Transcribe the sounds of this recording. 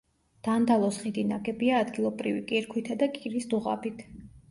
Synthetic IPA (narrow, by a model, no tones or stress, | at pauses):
d̪̥and̪alˠɔsχid̪inaɡɛbiaːd̪ɡilˠɔbɾivikʼiɾkʰwit̪ʰad̪akʼiɾisd̪uʁa̰pʰit̪ʰ